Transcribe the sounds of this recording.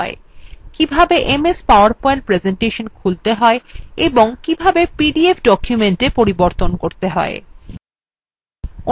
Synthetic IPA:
e | kibʱabeʔemespaoaɾpɔjeɳʈ̚pɾed͡ʑeɳʈeʃonkʰult̪eɦɔeeboŋkibʱabepiɖiefɖɔkʰjumenʈepoɾiboɾt̪onkoɾt̪eɦɔe | o

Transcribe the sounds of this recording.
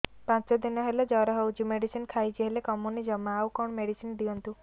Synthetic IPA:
pãsɔd̪inɔɦelɔd͡ʒɔɾɔɦewt͡ʃimeɽisinkʰajd͡ʒiɦelekɔmunid͡ʒɔmaːwkɔɳmeɽisind̪iɔnt̪u

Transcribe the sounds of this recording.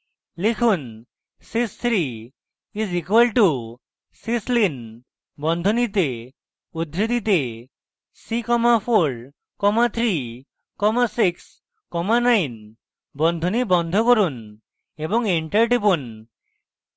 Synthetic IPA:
lekʰun | sist̪ʰɾi | izikwalʈu | sislin | bɔnd̪ʱɔnit̪̬e | ud̪ɾit̪it̪̬e | sikɔmapʰoɾ | kɔmat̪ʰɾi | kɔmasiks | kɔmanajn | bɔnd̪ʱɔnibɔnd̪ʱɔkɔɾun | ebɔŋiɳʈaɾʈipun

